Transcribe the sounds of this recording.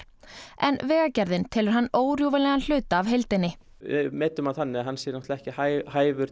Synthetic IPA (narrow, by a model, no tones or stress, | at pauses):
ɛ̰nvɛːɣacɛɾðɪnt̪ʰɛːlʏɾ̥ɦanːoːwɾjowvalɛːɣanl̥ʏːt̪aːvɦejlt̪ɪnːɪ | mɛːt̪ʏmaðθanːɪaɦanːsjɛːɾnɔht̪laɛhcɪhajhaːjvʏɾ